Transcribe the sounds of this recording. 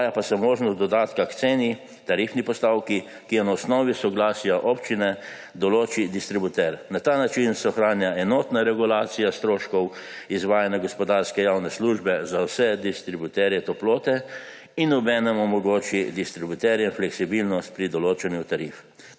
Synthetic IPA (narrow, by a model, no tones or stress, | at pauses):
japasɛmoːʒnɔsd̪ɔd̪aːt̪kakt̪seːni | t̪aɾifnipɔst̪awki | kijɛnaɔsnɔːʋisɔɡlaːsjaʔɔpt͡ʃinɛ | d̪ɔloːt͡ʃid̪ist̪ɾibut̪ɛɾnat̪aːnat͡ʃinsɛɔxɾaːnjaɛnɔːt̪naɾɛɡulaːt̪sijast̪ɾoːʃkɔwizʋaːjanjaɡɔspɔd̪aɾskɛjaːwnɛsluʒbɛzawsɛd̪ist̪ɾibut̪ɛɾjɛt̪ɔploːt̪ɛ | inɔbɛːnɛmɔmɔɡoːt͡ʃid̪ist̪ɾibut̪ɛɾjɛinflɛksibilnɔst̪̚pɾid̪ɔloːt͡ʃɛnjut̪aɾiːf